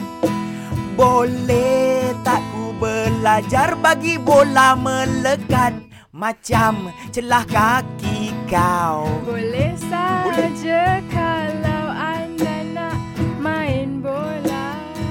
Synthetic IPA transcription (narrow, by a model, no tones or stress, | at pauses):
bolɛht̪aʔubəlad͡ʒarbaɡibolamələkat̪̚ | mat͡ʃamt͡ʃəlahkakikawbolɛhsad͡ʒakalawandanaʔmaɪnbola